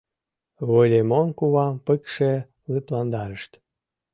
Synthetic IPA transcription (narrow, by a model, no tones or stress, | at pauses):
βolʲemonkuβɑmpəkʃe | lɨplɑnd̪ɑɾəʃt̪